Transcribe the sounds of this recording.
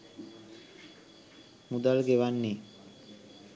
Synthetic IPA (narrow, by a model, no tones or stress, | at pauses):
mud̪alɡeʋanːi